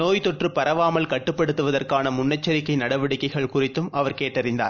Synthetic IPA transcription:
noːjt̪ɔʈrɯpɐɾɐʋaːmɐlkɐʈːɯpːɐɽɯt̪ːɯʋɐðɐrkaːnɐmʊnːɐt͡ʃːɐɾɪkːɐɪnɐɽɐʋɪɽɪkːɐɪɣɐɭkʊrɪt̪ːɯmʔɐʋɐɾkeːʈːɐɾɪnd̪a̰ːɾ

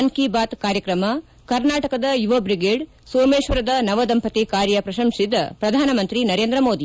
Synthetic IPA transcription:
ɐnkiːbaːt̪kaːɾjɐkɾɐmɐ | kɐɾnaːʈɐkɐd̪ɐjuʋɐbɾiɡeːɖ | soːmeːʃʋɐɾɐd̪ɐnɐʋɐd̪ɐmpɐt̪ikaːɾjɐpɾɐʃɐmʂid̪ɐ̰pɾɐd̪ʱaːnɐmɐnt̪ɾinɐɾeːnd̪ɾɐmoːd̪i

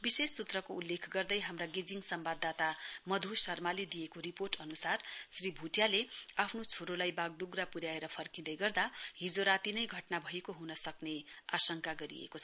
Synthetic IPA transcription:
bisesːut̪rʌkoulːekʰɡʌrd̪ʌjɦamraɡed͡ziŋsʌmbad̪ːat̪amʌd̪ʱusʌrmaled̪ijekoɾiporʈʌnusarsribʱuʈjaleapʰnot͡sʰoɾolajbaɡ̚ɖuɡrapuɾjaeɾʌpʰʌrkid̪ʌjɡʌrd̪aɦid͡zoɾat̪inʌjɡʱʌʈnabʱʌjekoɦunʌsʌkneasʌŋkaɡʌɾḭḛkot͡sʰʌʌ

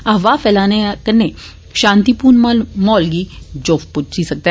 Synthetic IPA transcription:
aʋafɛlanekənːe | ɕãnt̪ipuːɳmalmɔlɡiːd͡ʑofput͡ɕisəɡ̚t̪a

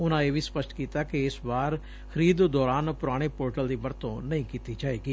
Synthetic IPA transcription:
ʊnãːeːʋiːspəʃʈʰkiːt̪aːkeɪsbaːɾ | kʰəɾiːd̪d̪ɔːɾaːnpʊɾaːɽ̃eːpoːɾʈəld̪iːbəɾt̪õːnəĩːkiːt̪iːd͡ʒaːeːɡiː

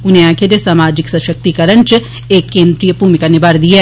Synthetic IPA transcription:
ʊnɦeãːkʰed͡ʒ̪esaːmaːd͡ʒɪksɐʃək̚t̪ikɐɾəɳt͡ʃ | eːkːẽːnd̪ɾijəbʱuːmikanɪbʱaːɾd̪ia

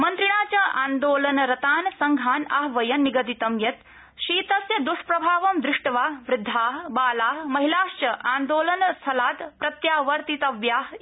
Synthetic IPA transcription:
mɐnt̪ɾiɽ̃aːt͡ɕaʔa̰ːnd̪oːlɐnɾɐt̪aːnsɐŋɡʱaːna̰ɦʋɐjɐnːiɡɐd̪it̪ɐmjɐt̪ | ʃiːt̪ɐsjɐd̪uʂpɾɐbʱaːʋɐmd̪ɾɪʂʈɐʋaːɦʋɾɪd̪ʱːaːɦbaːlaːɦmɐɦilaːʃt͡ʃɐʔaːnd̪oːlɐnst̪ʰɐlaːt̪pɾɐt̪jaːʋɐɾt̪it̪ɐʋjaːɦ

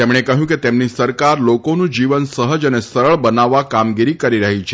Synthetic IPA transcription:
t̪emɽ̃ekəɦjũket̪emnisəɾkaɾlokonũd͡ʒiʋənsəɦəd͡ʒənesəɾəɭbənaʋːakamɡiɾikəɾiɾəɦit͡ʃʰe

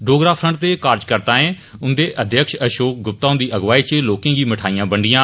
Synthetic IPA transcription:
ɖoːɡɾaːpʰɾə̃ɳʈ̚t̪eːkaːɾd͡ʒkəɾt̪ãːẽː | ʊnd̪eːʔəd̪jəkʃəʃoːk̚ɡʊp̚t̪aːʊ̃nd̪iːʔəɡʋaːiːt͡ʃeloːkẽːɡiːməʈʰaːijãːbəɳɖɪjãː

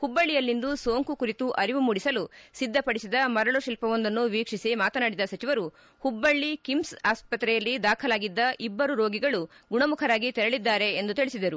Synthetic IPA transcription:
hubːɐɭːijɐlːind̪usoːŋkukuɾit̪uʔɐɾiʋumuɽisɐlusid̪ʱːɐpɐɽisid̪ɐmɐɾɐɭuʃilpɐʋond̪ɐnːuʋiːkʂisimaːt̪ɐnaːɽid̪ɐsɐt͡ʃiʋɐɾu | hubːɐɭːikimsaːspɐt̪ːɾɛjɐlːid̪aːkʰɐlaːɡid̪ːɐʔibːɐɾuɾo̞ːɡiɡɐɭuɡuɳɐmukʰɐɾaːɡit̪ɛɾɐɭid̪ːaːɾe̞ːnd̪ut̪iɭisid̪ɐɾu

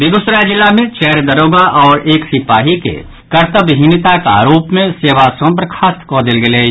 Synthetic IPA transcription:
bɪɡʊsɾajd͡ʒɪlːamẽt͡ʃɛɦɾd̪ɐɾoːɡaʔɔːɾeːksɪpaːɦikḛ | kɐɾt̪əbɦinɪt̪aka̰ɾuːpmẽseːʋasõːpəɾkʰaːskɔːd̪ɪlɡɪleː

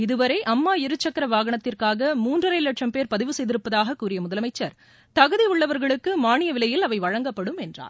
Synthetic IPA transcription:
ɪðɯʋɐɾɐɪʔɐmːaːɪɾɯt͡ʃːɐkːɐɾɐʋaːɣɐɳɐt̪ːɪrkaːɣɐmuːndrɯɾɐɪlɐʈʂɐmpeːɾpɐðɪʋɯsɛjðɪɾɯpːɐðaːɣɐkːuːrɪjɐmʊðɐlɐmɐɪt͡ʃːɐɾ | t̪ɐɣɯðiʊɭːɐʋɐɾɣɐɭɯkːɯmaːɳɪjɐʋɪlɐjɪlɐʋɐɪʋɐɻɐŋɡɐpːɐɽɯmɛndra̰ː

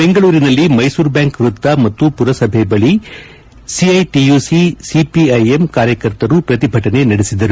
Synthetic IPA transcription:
beŋɡɐɭuːɾinɐlːimɐjsuːɾbjaːŋkʋɾut̪ːɐmɐt̪ːupuɾɐsɐbʱebɐɭi | siɐjʈijusisipiɐjemkaːɾjɐkɐɾt̪ɐɾupɾɐt̪ibʱɐʈɐne̞nɐɽesid̪ɐɾu

